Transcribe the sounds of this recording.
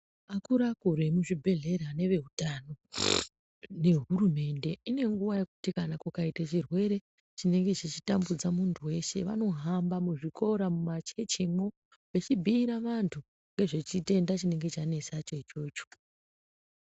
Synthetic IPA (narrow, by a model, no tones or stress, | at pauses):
akuɾakuɾe̞muʐibʱe̞ɮe̞ɾane̞ʋe̞ɦutano̞ | ne̞ɦuɾume̞nde̞ine̞ŋɡuʋaje̞kutikanakukaitat͡ʃirwe̞ɾe̞ | t͡ʃine̞ŋɡe̞t͡ʃit͡ʃitambud͡zamuntʰuwe̞ʃe̞̰ʋa̰no̞ɦambamuʐiko̞ɾamumat͡ʃe̞t͡ʃemo | ʋet͡ʃibʱiːɾaʋantʰu | ŋɡe̞ʐe̞t͡ʃite̞ndat͡ʃine̞ŋɡe̞t͡ʃane̞sat͡ʃet͡ʃo̞ːt͡ʃo̥